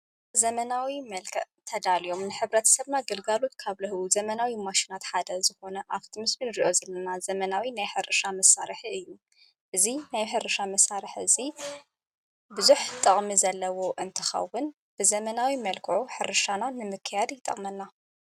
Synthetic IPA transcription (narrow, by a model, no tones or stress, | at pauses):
zɐmɐnawimɐlkʰɐʔt̪ʰɐd̪alijo̞mnɨħɨβɾɐt̪ʰɐ̥sɐβnaɡɨlɡalo̞t̪kʰaβlɐhɨwuzɐmɐnawimaʃinat̪ħad̪ɐzɨxo̞nɐʔaβt̪ʰimɨsminɨɾiʔozɐlːɐnazɐmɐnawinajħɨɾɨʃamɐsaɾɨħiɨjːu | ʔɨzinajħɨɾɨʃamɐsaɾɨħɨ̰zi | bɨzuħt̪ʼɨχʼmizɐlːɐwo̞ʔɨnt̪ʰɨxɐ̰wʊn | b̥ɨzɐmɐnawimɐlkʰɨʕuħɨɾɨʃananɨmɨkʰːɨjad̪jɪt̪ʼɐ̰χʼmɐnːa